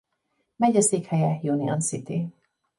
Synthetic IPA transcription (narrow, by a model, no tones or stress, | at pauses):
mɛɟɒseːkhɛjɛjuniɒnsit̪i